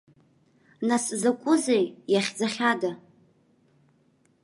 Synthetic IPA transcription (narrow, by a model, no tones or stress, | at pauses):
naszakʷʼʊzejjaχʲd͡zaχʲada